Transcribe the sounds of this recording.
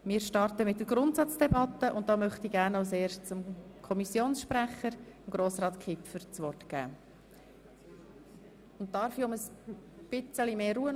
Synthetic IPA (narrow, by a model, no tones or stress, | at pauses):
mɪːɾʃtɑɾtəmɪt̚dəɡ̥ɾʊntsɑt͡sd̥ɛbɑt̪ːəʔʊnt̚dɑːmœχtiɡæɾnaseːɾʃtt͡sʊmkʰɔmisjoːnsʃpɾæχəɾɪmɡɾoːsrɑːt̪kʰɪpfəɾt͡sʋɔrtɡ̥æ̰ː | ʊnttːɑɾfiʊməsb̥ɪt͡səlimeːɾuːən